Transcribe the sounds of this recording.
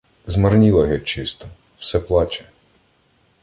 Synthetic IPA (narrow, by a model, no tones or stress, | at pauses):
zmɐrnʲilˠɐɦɛt͡ʃɪst̪ɔ | wsɛplˠɑt͡ʃɛ̥